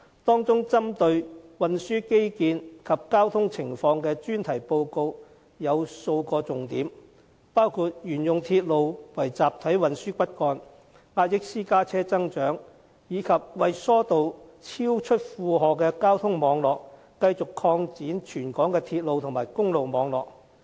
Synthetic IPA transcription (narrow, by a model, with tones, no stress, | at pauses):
t̪ɔː˥ŋt͡sʊ˥ŋt͡sɐ˥mt̪ɵ˧ɥwɐ˨nsyː˥ke˥jkiː˧nkʰɐ˨p̚kaː˥wt̪ʰʊ˥ŋt͡sʰɪ˨˩ŋfɔː˧ŋkɛː˧t͡ʃyː˥nt̪ʰɐ˨˩jpo˧wko˧w | jɐ˨˧wso˧wkɔː˧t͡sʊ˨ŋt̪iː˨˥m | paː˥wkʰuː˨˧t̚jyː˨˩njʊ˨ŋt̪ʰiː˧t̚lo˨wwɐ˨˩jt͡saː˨p̚t̪ʰɐ˨˥jwɐ˨nsyː˥kʷɐ˥t̚kɔː˧n | ŋaː˧t̚jɪ˥k̚siː˥kaː˥t͡sʰɛː˥t͡sɐ˥ŋt͡ʃœː˨˥ŋ | jiː˨˧kʰɐ˨p̚wɐ˨jsɔː˥t̪o˨wt͡sʰiː˥wt͡ʃʰɵ˥t̚fuː˨˧ɦɔː˨kɛː˧kaː˥wt̪ʰʊ˥ŋmɔː˨˧ŋlɔː˨k̚ | kːɐ˧jt͡sʊ˨kʰɔː˧ŋt͡siː˨˥nt͡ʃʰyː˨˩nkɔː˨˥ŋkɛː˧t̪ʰiː˧t̚lo˨wt̪ʰʊ˨˩ŋmaː˨˩jkʊ˥ŋlo˨wmɔː˨˧ŋlɔː˨k̚